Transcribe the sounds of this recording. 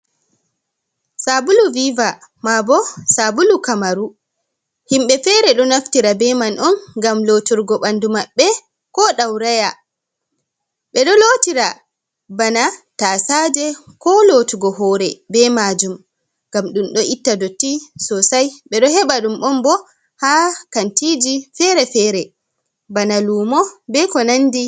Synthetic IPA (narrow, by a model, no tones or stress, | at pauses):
sabuluviva | mabɔsabulukamaɾu | himɓɛfɛɾɛɗɔnaftiɾabɛmanʔɔnɡamlotuɾɡɔɓandumaɓːɛ | kɔɗawɾaja | ɓɛɗɔlotiɾa | banataːsaːd͡ʒɛkɔlotuɡɔɦɔːɾɛbɛmad͡ʒum | ŋɡamɗunɗɔʔitːadotːisɔsajɓɛɗɔɦɛɓaɗumʔɔmbɔ | hakantid͡ʒifɛɾɛfɛːɾɛ | banaluːmɔbɛkɔnandi